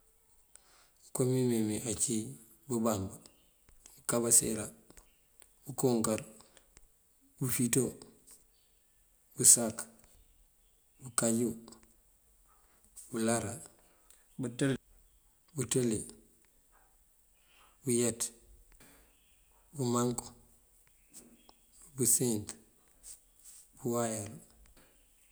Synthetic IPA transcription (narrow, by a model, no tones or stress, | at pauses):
komimimiʔat͡ʃi | bubaŋbu | bukabasḛɾa | bukoːŋkaɾ | bufito | busak | bukaɟu | bulaɾa | butel | buteli | bujet | bumaŋko̥ | busint | buwajal